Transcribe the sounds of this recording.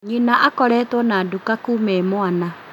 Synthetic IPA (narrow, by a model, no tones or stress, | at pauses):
ɲinaʔakɔɾɛːtwɔnaːdukakuːmɛmoana